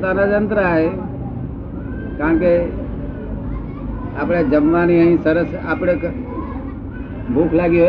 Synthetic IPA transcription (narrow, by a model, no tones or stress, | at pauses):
t̪aːnad͡ʒənt̪ɾəaːɦe | kaə̃nke | aːpɽed͡ʑɐmʋaːniɛ̃ĩsɐɾəsa̰ːpɽek | bʱuːkʰlaːɡijo